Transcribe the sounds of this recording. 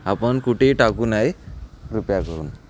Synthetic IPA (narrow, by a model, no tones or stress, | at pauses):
apəɳkuʈʰeʈakuːnajɾupjakəɾṵːn